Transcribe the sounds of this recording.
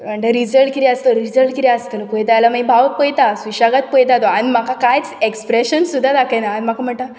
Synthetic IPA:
m̤əɳʈəɾid͡zəɭʈkit̪iəst̪oɾid͡zəɭʈkit̪iəst̪əlkojt̪aalamãibʱaʋəpəjt̪asʋiɕaɡat̪̚pəjt̪at̪oanimakakajt͡sekspɾeɕənsud̪ʱːad̪akʰəjnaːnm̤akam̤əɳt̪a

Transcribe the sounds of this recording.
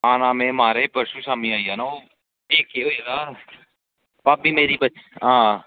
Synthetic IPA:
aːnãːmẽmaːɾepəɾʃusaːmiaːianaːoː | eːkːeɦoːidaː | pabʱiːmeːɾibəɦãː

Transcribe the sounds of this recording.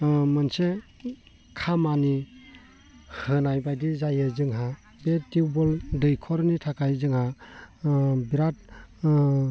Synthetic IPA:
mɯnse | kʰamani | hɯnajbajdizajɯzɯŋɦa | betiwbɔldɯjkʰɔɾnitʰakajzɯŋha | biɾat̚

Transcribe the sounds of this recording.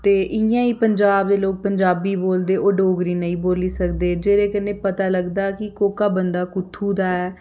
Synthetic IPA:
t̪eːʔɪjãːiːpəɲd͡ʒaːb̚d̪eːloːk̚pəɲd͡ʒaːbiːboːld̪eːʔoːɖoːɡɾiːnəĩːboːliːsəkd̪eːd͡ʒeːɾeːkənːeːpət̪aːləɡd̪aːkɪkoːkaːbənd̪aːkʊt̪ʰːuːd̪aːɛː

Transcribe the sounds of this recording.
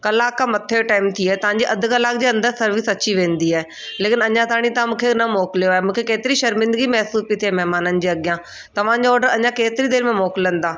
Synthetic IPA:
kɐlaːkːãmɐt̪ʰeʈaːɪmt̪ʰiaːt̪ɐʋ̤ãɲd͡ʑiʔɐd̪̆ʱkɐlaːk̚d͡ʑeːɐ̃nd̪əɾsɐɾʋɪsɐt͡ɕiʋẽːnd̪iaːɦe | leːkɪnɐɲãt̪ʰaːɽ̃it̪ɐãmũːkʰenɐmoːkɪlijoaːɦemũːkʰekeːt̪ɪɾiʃɐɾmɪ̃nd̪əɡimɛːsuːspit̪ʰiaːmɛɦmaːnənɪ̆d͡ʑeːɐɠɪjã | t̪ɐʋ̤ãːɲd͡ʑaɔːɾɖəɾɐɲãkeːt̪ɪɾid̪eːɾmẽmɔːkɪlə̃nd̪aː

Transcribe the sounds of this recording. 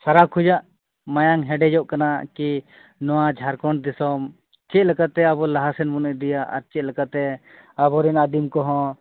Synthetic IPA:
saɾakʰud͡ʒaʔ | majaŋɦɛɖɛd͡ʒɔʔkanaki | nɔwad͡ʒʱaɾkɔɳd̪isɔm | t͡ʃɛˀlɛkat̪ɛaβɔlaɦasɛnbunɛʔd̪ijaʔa̰ɾt͡ʃɛt̪̚lɛkat̪ɛ | abɔɾɛnad̪imkɔɦɔ̃

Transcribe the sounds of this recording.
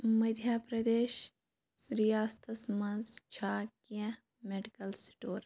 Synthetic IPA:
mɐd̪ʱjaːpɾɐd̪eːʃ | ɾijaːst̪ʰɐsmɐnzt͡ʃʰaːkijã | meɖikɐlsʈoːɾ

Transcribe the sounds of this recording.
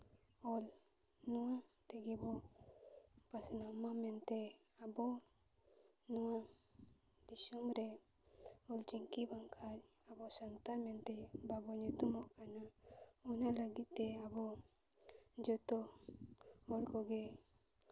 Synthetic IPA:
ɔl | nuwat̪ɛɡibɔ | pasnamamɛnt̪ɛ | abɔ | nɔwa | d̪isumɾɛ | ɔlt͡ʃiŋkibaŋkʰaɾ | abɔsant̪amɛnt̪ɛbabɔɲut̪umɔʔkanaɔnaləɡit̪ːɛabɔ | d͡ʒɔt̪ɔ | ɔɽkɔɡɛ

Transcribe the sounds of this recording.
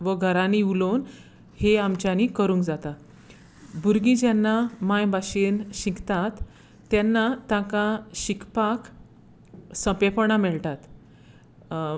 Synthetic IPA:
ʋəɡʱəɾãniulon | heamt͡ɕjanikəɾũŋkd͡zat̪a | buɾɡĩd͡ʑanːamãjbaɕenɕikt̪at̪ː | janːat̪ãkãɕikʰpak | sə̃pepəɳ̃amɛɭt̪at̪

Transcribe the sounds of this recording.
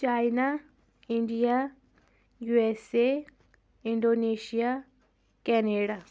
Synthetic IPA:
t͡ʃajna | iɳɖija | juese | iɳɖoneʃija | kɛneɽa

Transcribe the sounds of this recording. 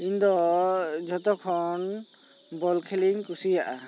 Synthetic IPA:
ind̪ɔd͡ʒɔt̪ɔkʰɔn | bɔlkʰeliŋkusijaʔa

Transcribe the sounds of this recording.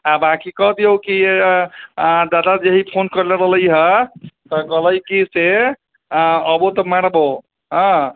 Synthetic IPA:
abakikɔɦd̪ijowki | d̪ad̪ad͡ʒeɦipʰonkəɾleɾələjɦət̪ɔɡələjkise | əbot̪ɔmaɽbɔ | ɦɔ̃

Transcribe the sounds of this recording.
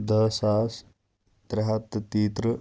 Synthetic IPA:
d̪ʱɐsaːs | t̪ɾɐɦɐt̪t̪iːt̪ɾə

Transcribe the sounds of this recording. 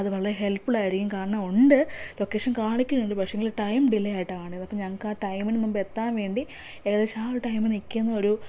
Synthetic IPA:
ɐðɨʋɐɭɐɾeɦe̞lpːiɭaːjiɾikʲːumkaːrɐɳaoɳɖɨlo̞kːe̞ːʂɐnkaːɳikʲːunːelɾɨpɐkʂɐŋɡilʈɐjmɖilejaːjiʈːɨkaːɳnːɐpːɐmɲɐŋːɐkaːʈɐjminnumbɐet̪ːaːnʋe̞ːɳɖi | eɣɐðet͡ɕaːɾʈɐjmɨnikʲːunːɐo̞ɾu

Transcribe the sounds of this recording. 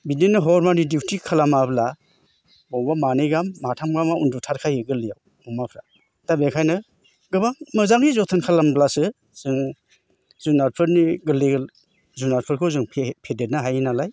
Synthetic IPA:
bidenɯɦɔɾmanidikʰtʰikʰalamabla | bɔwbamanɯjɡamːatʰamɡamaundutʰaɾkʰajɯɡɯlːijaw | ɔmapʰɾa | tabekʰajnɯ | ɡɯbaŋmɯzaŋɡizɔtʰɯnkʰalamblasɯ | z̥ɯŋ | zunaɾpʰɯɾniɡɯliɡɯl | zunaɾpʰɯɾkʰɯzɯŋʰpʰedet̚naɦajnalaj

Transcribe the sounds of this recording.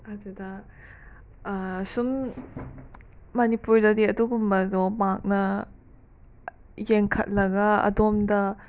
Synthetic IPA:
ɐdudɐ | sum | ɐnipuɾdɐdiɐduɡumbɐdɔmak̚nɐ | jeŋkʰɐ̰t̚lɐɡɐɐ̰domdɐ

